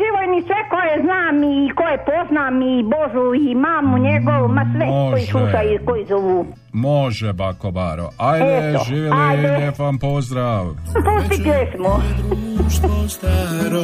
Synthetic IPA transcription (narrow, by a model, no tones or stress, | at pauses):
ʒiʋojnisʋekojeznaːmikojepo̞znamiboʒuimaːmuɲeɡoʋumasʋɛkojisluʃajukojizoʋu | moʒebakobaɾo̰ajd̪eoʒiːʋjeliaj̪eefampozd̪ɾaːʋpust̪ipjesmo